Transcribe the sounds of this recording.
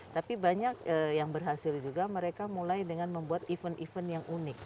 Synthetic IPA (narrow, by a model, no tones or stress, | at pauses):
t̪apibaɲakəjaŋbərɦasɪld͡ʒuɡaməɾekamulajdəŋanməmbuat̪ifənʔifənjaŋʔunɪk̚